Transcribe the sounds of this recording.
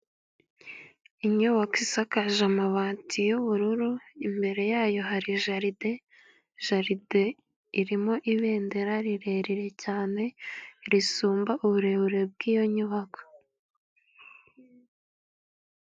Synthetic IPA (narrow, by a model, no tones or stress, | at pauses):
iɲuβakisakaʒamaβaːntʰijuβuɾuɾuimbe̞ɾe̞jaːjo̞ɦaɾiʒaɾide̞ | ʒaɾide | iɾimo̞ʔiβe̞ːnde̞ɾaɾiɾe̞ɾiɾe̞caːne̞ɾisuːmbaʔuβuɾe̞βuɾe̞b̚ɡiːjo̞ɲuβako̥